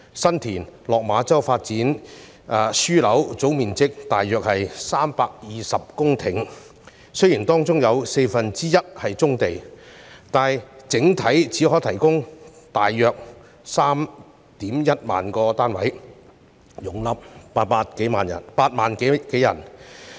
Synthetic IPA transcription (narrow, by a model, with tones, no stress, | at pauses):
sɐ˥nt̪ʰiː˨˩nlɔː˨k̚maː˨˥t͡sɐ˥wfaː˧t̚t͡siː˨˥n | aː˧syː˥lɐ˨˥wt͡so˨˥wmiː˨nt͡sɪ˥k̚t̪aː˨jːœː˨k̚hɐ˨jsaː˥mpaː˧k̚jiː˨sɐ˨p̚kʊ˥ŋt̪ʰɪ˨ŋ | sɵ˥jiː˨˩nt̪ɔː˥ŋt͡sʊ˥ŋjɐ˨˧wse˧jfɐ˨nt͡siː˥jɐ˥t̚hɐ˨jt͡sʊ˥ŋt̪e˨j | t̪aː˨jt͡sɪ˨˥ŋt̪ʰɐ˨˥jt͡sʰiː˨˥ɦɔː˨˥jt̪ʰɐ˨˩jkʊ˥ŋt̪aː˨jːœː˨˧k̚ | saː˥m | t̪iː˨˥mjɐ˥t̚ma̰ː˨nkɔː˧t̪aː˥nwɐ̰˨˥j | jʊ˨˩ŋlɐ˨˥p̚paː˧paː˧t̚ke˨˥jmaː˨njɐ̰˨˩npaː˧t̚maː˨nke˨˧˥ke˨˥jɐ̰˨˩n